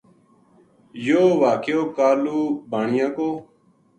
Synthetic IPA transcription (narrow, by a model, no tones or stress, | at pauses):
joːʋaːkejoːkaːluːbaːɳɪjãːkoː